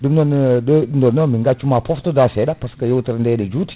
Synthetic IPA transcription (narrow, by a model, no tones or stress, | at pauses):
dumnɔndndɔnomiŋɡat͡ʃumapɔftodasedapaskəjowtəɾndenəd͡ʒuti̥